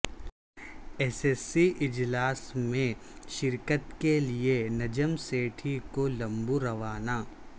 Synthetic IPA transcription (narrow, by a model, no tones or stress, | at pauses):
ɛːsesːiʔɪd͡ʒlaːsmẽʃɪɾkət̪kelienɐd͡ʒəmseːʈʰikolɐ̃mbuɾɐʋaːnaː